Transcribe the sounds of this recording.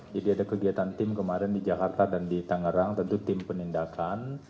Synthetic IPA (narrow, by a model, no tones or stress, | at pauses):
d͡ʒadiadakəɡiat̪ant̪ɪmkəmaɾɛndid͡ʒakart̪adandit̪aŋəɾaŋt̪ənt̪ut̪ɪmpənindakʰan